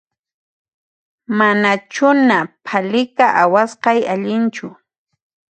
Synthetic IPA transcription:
manat͡ʃʊnapʰalɪkaʔawasqɑjaʎɪnt͡ʃʊ

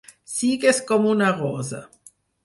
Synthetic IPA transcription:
siɣeskomunaʁoza̰

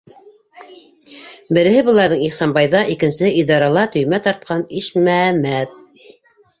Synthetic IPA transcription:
bɘ̆ɾɘ̆hɘbɤ̆lˠɑɾðɤɴiχsɑmbɑjðɑʔikɘ̆nsɘʔid̪ɑɾɑlˠɑt̪ɵ̆jmæt̪ɑɾt̪̚qɑniʃmæmæt̪̚

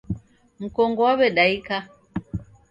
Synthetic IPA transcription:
m̩kɔŋɡɔwaβɛɗaika

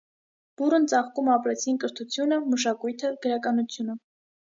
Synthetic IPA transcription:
b̥urənt͡sɑχkumɑpɾɛt͡sʰinkəɾt̪ʰut͡sʰjunəməʃ̬ɑkujt̪ʰəɡ̥əɾɑkɑnut͡sʰjunə

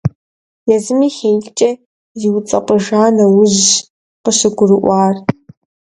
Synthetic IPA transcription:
jazɨmiχʲejt͡ʃʼɐ | iwt͡sʼɐqʼəʒaːnɐwʊʑ | qəʃɨɡʷʊrɨʔʷaːr

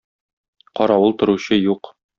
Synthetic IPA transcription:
qɒɾɑwɤlˠt̪ŏɾuɕɤjuq

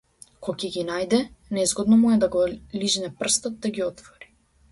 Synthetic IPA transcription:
kɔcɛɡʲinajd̪ɛnɛzɡɔd̪nɔmujɛd̪aɡɔliʒnɛpr̩st̪ɔt̪̚d̪aɡʲiɔt̪vɔɾi̥

